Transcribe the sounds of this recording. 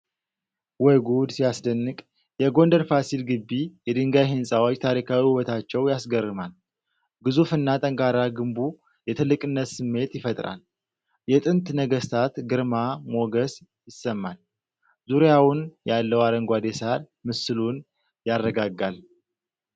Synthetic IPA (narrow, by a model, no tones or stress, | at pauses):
wɔjɡud̪sijasd̪ənːɨkʼ | jɛɡo̞ndəɾfasilɡɨbːijɛd̪ɨŋɡajɦɨnsʼawot͡ʃːt̪ʰaɾikʰawihɨwɔt̪ʰat͡ʃːɛwjasɡərːɨmal | ɡɨzufɨnːat̪ʼəŋkʼaɾaɡɨmbu | jɛt̪ʰɨlːɨkʼɨnːət̪sɨmːe̞t̪jɪfət̪ʼɾa̰l | jɛt̪ʼɨnt̪nəɡəst̪ʰat̪ɡɨɾmamo̞ɡəs | jɪsːəmːal | zuɾjawʊnjalːəwaɾəŋɡʷad̪e̞saɾ | mɨsɨlun | jarːəɡaɡːal